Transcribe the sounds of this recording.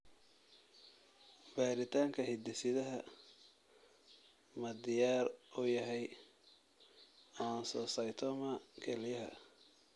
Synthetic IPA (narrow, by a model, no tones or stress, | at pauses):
baːɾɪt̪ʰaːŋkʰɐhɪd̪ɛsɪðɐɦɐ | mɐd̪ɪjaːrujɐɦɛj | ɔnsɔːsɐjt̪ʰɔmɐkʰɛljɐɦɐ̰